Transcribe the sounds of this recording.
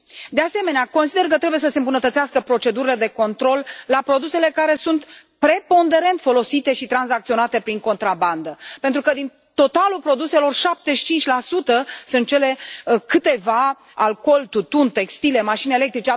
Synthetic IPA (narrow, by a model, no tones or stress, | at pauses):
d̪e̞ase̞me̞neakonsid̪e̞rkət̪ɾe̞buje̞s̬əsembunət̪ət̪siaskəpɾo̞t͡ʃe̞d̪uɾile̞d̪e̞ko̞nt̪ɾo̞lːapɾo̞d̪use̞le̞kaɾe̞sunt̪pɾe̞po̞nd̪e̞ɾe̞nt̪fo̞lo̞sit̪e̞ʃit̪ɾanzak̚t̪sio̞nat̪e̞pɾiŋko̞nt̪ɾaband̪əpent̪ɾukəd̪in | t̪o̞t̪alulpɾo̞d̪use̞lo̞rʃap̚t̪e̞ʃi̥t͡ʃint͡ʃʲlasut̪əsɨnt̪̚t͡ʃe̞le̞kɨt̪e̞va | alko̞lt̪ut̪unt̪e̞kst̪ile̞maʃinele̞k̚t̪ɾit͡ʃe